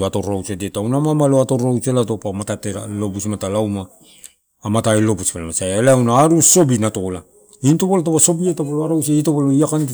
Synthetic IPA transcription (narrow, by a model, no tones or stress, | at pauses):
atoɾawt͡ʃedetawnamamaloatoɾawt͡ʃelatopamatateɾalo̞busmatalawmaː | mataelo̞buspalamasajaleawnaaɾuso̞binatola | intoβolat̬aβaso̞bietapaloaɾawt͡ʃeitoβoloiakan